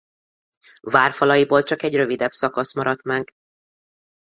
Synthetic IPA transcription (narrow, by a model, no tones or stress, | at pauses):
vaːrfɒlɒjiboːlt͡ʃɒkɛɟrø̞vid̪ɛbsɒkɒsmɒɾɒt̪maːɡ